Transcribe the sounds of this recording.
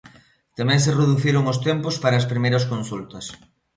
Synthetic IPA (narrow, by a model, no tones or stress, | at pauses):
t̪amɛ̃ŋsereðuθiɾʊŋʊst̪ɛmpospaɾɐːspɾimejɾɐskonsult̪ɐs